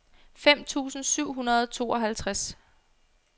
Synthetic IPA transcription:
fem̰t͡sʰṵːsn̩syʊ̰ɦunɐðˠt͡sʰo̝̰ːɒ̽ɦælt͡sʰʁas

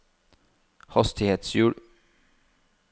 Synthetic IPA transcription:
hɑst̪ɪheːt̪sjuːɽ

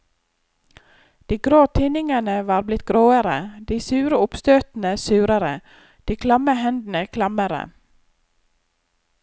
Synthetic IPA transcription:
d̪̥iːɡɾoːt̪ʰɪnɪŋəɳəʋɑːɾblɪt̪̚ɡɾoːəɾəd̪iːsʉːɾəʊpst̪øːt̪n̩əsʉːɾəɾə | d̪̥iːkʰlɑməhɛnd̪n̩əkʰlɑməɾə̰

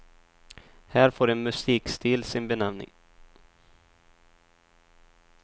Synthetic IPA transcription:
hæːɾfoːɾɛnmɵsiːkst̪iːlsɪnbɛnamnɪ̰ŋ

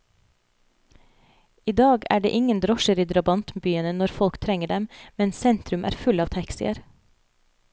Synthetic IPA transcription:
iːd̪ɑːɡæ̰ːɖḛːʔɪŋənd̪ɾɔʃəɾiːd̪ɾɑbɑnt̪mbyːənənɔɾfɔlkt̪ʰɾɛŋəɖɛmmɛnsɛnt̪ɾʉmʔæ̰ːɾfʉlɑːʋt̪ʰɑksɪə̰ɾ

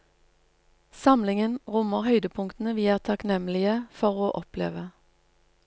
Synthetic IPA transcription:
sɑmlɪŋənʁʊməʁhœʏd̪əpʰʊŋkt̪n̩əʋiːæːʁt̪ʰɑknɛmlɪəfɔʁoːʔɔplḛːʋə

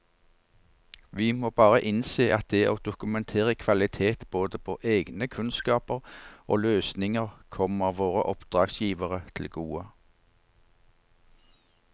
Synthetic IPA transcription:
ʋiːmoːbɑːʁəʔɪnseːʔɑt̪̚d̪ɛʔoːd̪ʊkʉmɛnt̪ʰeːʁəkʰʋɑlɪt̪ʰeːt̪b̥oːd̪əpʰoːʔeːɡnəkʰʉnskɑːpəʁʔo̰ːløːsnɪŋəʁkʰɔməʋoːʁəʔɔpd̪̥ʁɑːɡsjiːʋəʁət̪ʰl̩ɡuːə

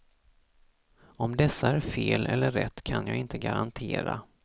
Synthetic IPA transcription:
ɔmd̪ɛsːaæɾfeːlʔɛlːəːɛ̰t̪ːkʰanjɑːɡɪnt̪ʰəɡaɾant̪ʰeːɾa

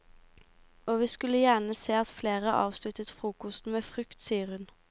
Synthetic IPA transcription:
oːʋiːskʉləjæɳəseːɑt̪fleːʁəʔɑ̰ːʋslʉt̪ət̪fʁuːkʊsn̩meːfʁʏkt̪siːəʁhʉn

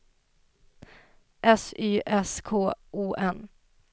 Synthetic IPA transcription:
ʔɛsyːʔɛskʰoːʔuːʔɛn

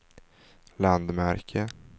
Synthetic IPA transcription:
land̪mæɾkʰə

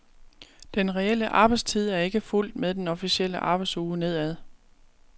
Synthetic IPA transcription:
d̥enʁɛel̰əʔɑ̈ːb̥ɑ̈ɪdst͡sʰið̞̰ˠæɐe̝ɡ̥əful̰d̥meðˠd̥enɒ̽fisiel̰əʔɑ̈ːb̥ɑ̈ɪdsuːne̝ð̞̰ˠæðˠ

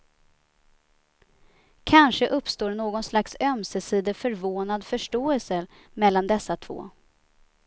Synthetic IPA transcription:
kʰanʂəʔɵpːst̪oːɳoːɡɔnslaksœmsəsiːd̪əfœɾvoːnad̪fœʂʈoːɛlsə | mɛlːand̪ɛsːat̪ʰvo̰ː

